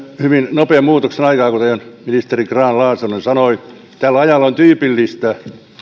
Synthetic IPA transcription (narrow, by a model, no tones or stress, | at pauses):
hyʋinnopeːmmuːt̪oksenɑikɑːkut̪eionminist̪erikrɑːnlɑːsenunisɑnoi | t̪ælːɑjɑlːˑont̪yːpilːist̪æ